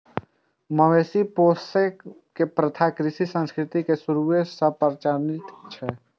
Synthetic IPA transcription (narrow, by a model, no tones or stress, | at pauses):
məʋeːsipoːse | kepɾət̪ʰaːkɾɪʃisə̃nskɾɪt̪ikesʊɾuʋesəpəɾt͡ʃaːɾnɪt̪t͡ʃʰɛ